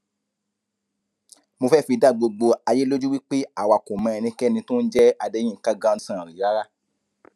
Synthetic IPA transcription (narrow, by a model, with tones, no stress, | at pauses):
mo˧fɛ˦˨fi˧da˦˨ɡ͡bo˧ɡ͡bo˧a˧je˦lo˦d͡ʒu˦wi˦k͡pe˦a˦˨wa˨ko˨mɛ̃˧ɛ˧nĩ˧kɛ˦˨nĩ˧tõ˦n̩˦d͡ʒɛ˦a˧dɛ̃˧˦ĩ˦˨˦ka˦˨ɡã˧˦sã˦˨ɾi˨ɾa˨˦ɾa˦˨